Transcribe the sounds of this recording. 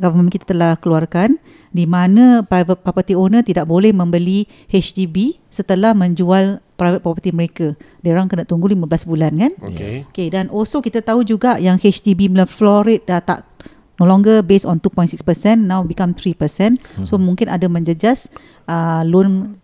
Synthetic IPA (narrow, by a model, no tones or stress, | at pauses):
kalammkit̪ḁt̪əlahkəluarkan | dimanə̃pɾajvət̪̚pɔpət̪ionə̃t̪idaʔbolɛhmə̃mbəli | het͡ʃt̪ibi | sət̪əlahmə̃ɲd͡ʒualpɾajvət̪̚pɔpət̪iməɾekadaɾaŋkənaʔt̪uŋɡulimablasbulankanokeokedanʔɔlsokit̪at̪aud͡ʒuɡaʔjaŋhet͡ʃt̪ibimləfloɾit̪̚at̪a̰ʔ | nolɔ̃ŋɡəbesɔnt̪upɔj̃ntsikspəsɛnːãwbikamt̪ɾipəsɛnsomũŋkɪnadamə̃ɲd͡ʒəd͡ʒas | əlon